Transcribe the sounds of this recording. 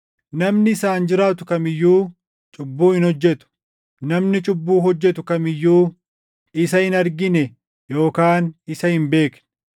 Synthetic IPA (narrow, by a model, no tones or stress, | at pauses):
nɐmnɪːsaːnd͡ʒɪɾaːt̪̬ʊkɐmɪjːuː | t͡ʃʼʊbːuːhɪnhɔd͡ʒːɛt̪ʊ̥ | nɐmnɪt͡ʃʼʊbːuːɦɔd͡ʒːɛt̪ʊkɐmɪjːuː | ɪsɐhɪnɐɾɡɪnɛ | jo̞ːkaːnɪsɐhɪmbe̞ːkn